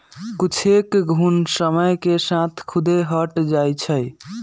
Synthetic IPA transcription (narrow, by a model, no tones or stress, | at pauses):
kit͡ʃʰekɡʱunsəməjkesãt̪ʰkʰud̪eɦəʈd͡ʒajt͡ʃʰəj